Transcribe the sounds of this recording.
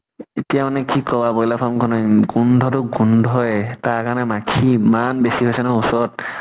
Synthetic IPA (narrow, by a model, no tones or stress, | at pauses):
etijamanɛkikɔbabɔjlapʰɔmkʰɔnɔjɡundʱɔtʊɡundʱɔjtakanɛmakʰimanbesiɦojsɛnɔusɔt̚